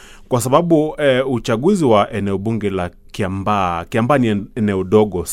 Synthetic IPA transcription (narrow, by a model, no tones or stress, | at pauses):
kwasaɓaɓuut͡ʃaɠuziwaʔɛnɛɔɓuŋɡɛla | kiambakiambaːniɛnɛɔɗɔɠɔ